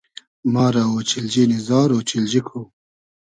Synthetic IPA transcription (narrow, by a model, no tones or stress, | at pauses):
mɑːɾaot͡ʃɪld͡ʒinɪzɑːɾot͡ʃild͡ʒikʰo